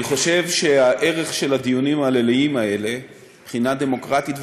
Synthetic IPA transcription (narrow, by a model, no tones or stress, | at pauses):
niχo̞ʃe̞vʃe̞aʔe̞ʁe̞χʃe̞lad̪ijunimaːleliimae̞le̞ | b̥χinad̪e̞mo̞kʁat̪itv